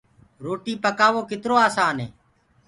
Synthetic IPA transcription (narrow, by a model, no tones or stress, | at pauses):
ɾoːʈiːpəkaːʋoːkɪt̪ɾoːaːsaːnɦḛː